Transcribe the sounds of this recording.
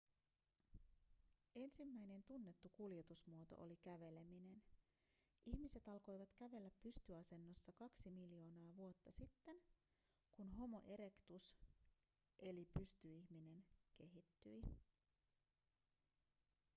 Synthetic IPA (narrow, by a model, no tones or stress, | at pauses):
e̞nsimːæjne̞nt̪unːe̞t̪ːukulje̞t̪usmuo̞t̪o̞̰ʔolikæʋe̞le̞mine̞n | ʔiçmise̞t̪ɑlko̞jʋɑt̪kæʋe̞lːæpːyst̪yɑse̞nːo̞sːɑkɑksimiljo̞ːnɑːʋuot̪ːɑsit̪ːe̞n | kunɦo̞mo̞̰ʔe̞ɾe̞kt̪us | ʔe̞lipyst̪yiçmine̞nke̞ɦit̪ːyj